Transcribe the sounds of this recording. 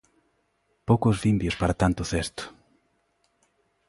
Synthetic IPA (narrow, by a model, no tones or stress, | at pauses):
powkʊzβimbjʊspaɾat̪ant̪ʊθest̪ʊ̥